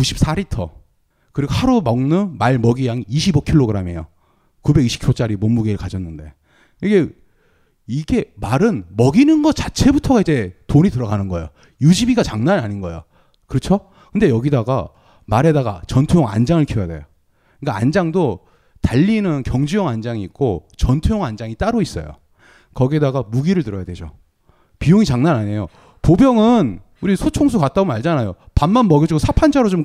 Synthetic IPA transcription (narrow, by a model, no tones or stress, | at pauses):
kuɕʰi̥p̚s͈aɾitʰʌ̰ | kɯɾiɡohaɾumʌŋnɯnmaɭmʌɡijaŋiɕʰibokʰiɭːoɡɯɾame̞̰jo̰ | kube̞ɡiɕʰi̥pkʰot͡ɕ͈aɾimʌmmːuɡeɾɯɭkad͡ʑʌnːɯnde̞̰ | iɡe̞ | iɡe̞maɾɯnmʌɡinɯnɡʌt͡ɕḁt͡ɕʰe̞butʰʌɡaid͡ʑe̞toɲitɯɾʌɡanɯnɡʌjo | jud͡ʑibiɡat͡ɕaŋnanaɲinɡʌjo̰ | kɯɾʌt͡ɕʰo | kɯnde̞jʌɡidaɡa | maɾɦe̞daɡa̰t͡ɕʌntʰujoŋa̰nd͡ʑaŋɯɭkʰjijade̞̰jo | k͈aa̰nd͡ʑaŋdo | taʎːinɯnkjʌŋd͡ʑujʌŋand͡ʑaŋiik̚k͈ot͡ɕʌntʰujoŋand͡ʑaŋit͈aɾois͈ʌ̰jo̰ | kʌɡiedaɡamuɡiɾɯɭtɯɾʌjadwe̞d͡ʑo̰ | pijoŋit͡ɕaŋnanaɲe̞jo | pobjʌŋɯn | uɾisʰot͡ɕʰoŋs̬ʰukat̚t͈aɡomnaɭd͡ʑanajopanmanmʌɡjʌd͡ʑiɡosʰapʰand͡ʑaɾot͡ɕom